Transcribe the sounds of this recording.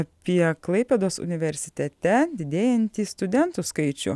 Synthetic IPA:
pʲiɛklˠɐɪpʲɛd̪oːsʊ̰nʲɪʋʲɛɾʲsʲɪt̪ʲɛt̪ʲɛd̪ʲɪd̪ʲeːjɛnʲt̪ʲiːst̪ʊd̪ʲɛnt̪ʊskɐɪt͡ʃʲʊ̰

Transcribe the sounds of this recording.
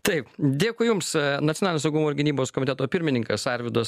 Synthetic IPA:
t̪ɐɪpd̪ʲeːkʊjʊmsnɐt̪ʲsʲonɑːlʲnʲosɐʊɡuːmoːɪɾʲɡʲɪnʲiːboːskoɔmʲɪt̪ʲɛt̪oːpʲɪɾʲmʲɪnʲɪŋkɐsɑɾʲʋʲɪd̪oːs

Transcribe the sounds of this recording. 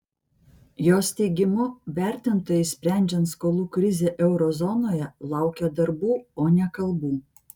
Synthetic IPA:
joːst̪ʲɛɪɡʲɪmʊʋʲæˑɾʲt̪ʲɪnt̪oːjɛɪsʲpʲɾʲæˑnʲd͡ʒʲɛnt̪skoːlˠuːkɾʲɪzʲeːʔɛʊɾɔzɔnoːjɛlˠɑˑʊkʲɛd̪ɐɾbuːoːnʲɛkɐlˠbuː

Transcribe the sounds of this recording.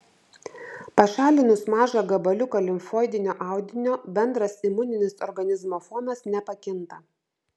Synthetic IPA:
pɐʃɑːlʲɪnʊsmɑːʒɐɡɐbɐlʲʊkɐlʲɪmfoːjd̪ʲɪnʲoːʔɑˑʊd̪ʲɪnʲoːbʲɛnd̪ɾɐsɪmʊnʲɪnʲɪsɔɾɡɐnʲɪzmoːfɔːmɐsnʲɛpɐkʲɪnt̪ɐ

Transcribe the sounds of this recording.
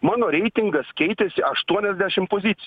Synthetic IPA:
mɑːnoːɾʲɛɪt̪ʲɪŋɡɐskʲɛɪt̪ʲɛsʲɪʔɐʃt̪uɔnʲɛzʲd̪ʲæʃʲɪmpoːzʲɪt̪sʲ

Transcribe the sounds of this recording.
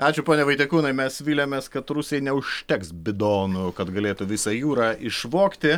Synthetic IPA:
ɑːt͡ʃʲʊpoːnʲɛʋɐɪt̪ʲɛkuːnɐɪmʲɛsʋʲiːlʲoːmʲeːskɐt̪ɾʊsʲejɪnʲɛʊʃʲt̪ʲɛksbʲɪd̪oːnʊkɐt̪ɡɐlʲeːt̪ʊʋʲɪsɑjuːɾɑːʔɪʃʋoːkt̪ʲɪ

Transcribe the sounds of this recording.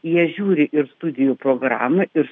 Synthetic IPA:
jiɛʒʲuːɾʲɪʔɪɾst̪ʊd̪ʲɪjuːpɾoːɡɾɑ̰ːmɐʔɪɾ

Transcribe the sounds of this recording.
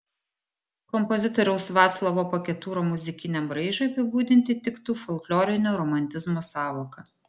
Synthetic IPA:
kɔmpɔzʲɪt̪ɔːɾʲɛʊsʋɑːt̪slˠɐʋoːpɐkʲɛt̪uːɾoːmʊzʲɪkʲɪnʲɛmbɾɐɪʒoːjɐpʲɪbuːd̪ʲɪnʲt̪ʲɪt̪ʲɪkt̪uːfɔlˠklʲɔːɾʲɪnʲoːɾɔmɐnʲt̪ʲɪzmoːsɑːʋoːkɐ

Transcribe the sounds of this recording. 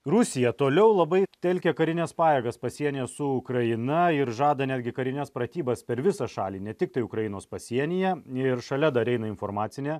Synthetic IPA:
rʊsʲɪjɛt̪oːlʲɛʊlˠɐbɐɪt̪ʲɛlʲkʲɛkɐɾʲɪnʲɛspɑːjeːɡɐspɐsʲiɛnʲeɛsʊʊkɾɐɪnɐɪɾʒɑːd̪ɐnʲæːd̪ʲɡʲɪkɐɾʲɪnʲɛspɾɐt̪ʲiːbɐspʲɛɾʋʲɪsɑʃɑːlʲiːnʲɛt̪ʲɪk̚t̪ɐɪʊkɾɐjɪnoːspɐsʲiɛnʲɪjɛɪɾʃɐlʲɛd̪ɐɾʲɛɪnɐɪnfoːɾmɑːt̪sʲɪnʲeː

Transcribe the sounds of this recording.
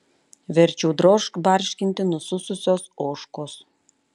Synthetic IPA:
ʋʲɛɾʲt͡ʃʲuːd̪ɾoʃkbɑɾʲʃʲkʲɪnʲt̪ʲɪnususʊsʲosoʃkos

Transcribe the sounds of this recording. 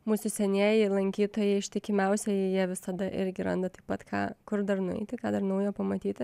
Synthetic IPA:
muːsʊsʲɛnʲeːjɛɪlˠɐŋʲkʲiːt̪oːjɛɪɪʃʲt̪ʲɪkʲɪmʲɛʊsʲɛjɪjiɛʋʲɪsɐd̪ɐʔɪɾʲɡʲɪɾɐ̰nd̪ɐt̪ɐɪpɐt̪kʰɑ̰ːkʊɾd̪ɐrnʊɛ̰ɪt̪ʲɪkɑːd̪ɐrnɐʊjoːpɐmɐt̪ʲiːt̪ʲɪ

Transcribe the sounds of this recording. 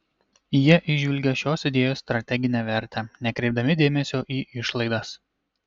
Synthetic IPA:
jiɛʔɪʒʲʋʲɪlʲɡʲɛʃʲoːsɪd̪ʲeːjoːst̪ɾɐt̪ʲɛɡʲɪnʲɛʋʲɛɾʲt̪ʲɛnʲɛkɾʲɛɪb̚d̪ɐmʲɪd̪ʲeːmʲɛsʲoːʔiːʔɪʃlˠɐɪd̪ɐs

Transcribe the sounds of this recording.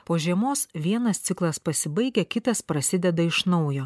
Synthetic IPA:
poːʒʲiɛmoːsʋʲiɛnɐst̪sʲɪklˠɐspɐsʲɪbɐɪɡʲɛkʲɪt̪ɐspɾɐsʲɪd̪ʲɛd̪ɐɪʃnɒʊjoː

